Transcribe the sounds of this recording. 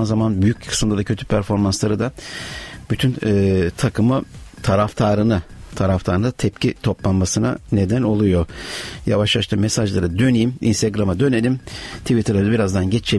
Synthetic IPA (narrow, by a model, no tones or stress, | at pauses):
nzamanbyjyc̚kʰɯ̥sɯmd̪ˠad̪acʰø̞t̪ʰy̥pʰæɾfo̞ɾmanslˠaɾɯd̪a | byt̪ʰynːt̪ʰakʰɯmɯt̪ʰaɾaft̪ʰaɾɯnɯt̪ʰaɾaft̪ʰaɾɯnd̪at̪ʰɛpcit̪ʰo̞plˠanmasɯna̰ne̞d̪æno̞lˠujo̞javaʃlˠaʃt̪ʰɯːmesaʒlˠaɾɯd̪ø̞nijimḭnst̪ʰeɡɾamad̪ø̞ne̞lʲimt̪ʰivit̪ʰɯɾlˠaɾabiɾazd̪anɟet͡ʃt͡ʃʰe